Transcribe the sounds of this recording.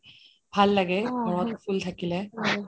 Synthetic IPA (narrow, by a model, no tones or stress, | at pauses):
bʱalːaɡebʱɔɹɔt̪fult̪ʰakilɛ